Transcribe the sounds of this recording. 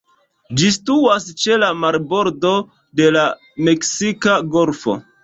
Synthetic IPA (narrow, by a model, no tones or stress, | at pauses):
d͡ʒistuast͡ʃe̞lamaɾbo̞ɾdo̞ | de̞la | me̞ksikaɡo̞lfo̞̰